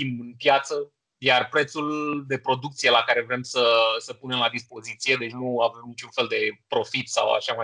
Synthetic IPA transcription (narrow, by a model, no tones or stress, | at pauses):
imɨnpjat̪sə | jarpɾe̞t̪suld̪e̞pɾo̞d̪ukt̪sije̞lakaɾe̞vɾe̞msəsəpune̞mlad̪ispo̞zit̪sije̞d̪e̞t͡ʃʲnuave̞mnit͡ʃunfe̞ld̪e̞pɾo̞fit̪sa̰wa̰ʃama